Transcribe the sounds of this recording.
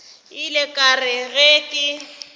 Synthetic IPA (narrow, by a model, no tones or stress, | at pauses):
ɪlɪkʼarɪɣekʼɪ